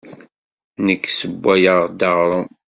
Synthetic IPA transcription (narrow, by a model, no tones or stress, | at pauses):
nəkːsəbːæjəʁd̪ɑʁɾˤə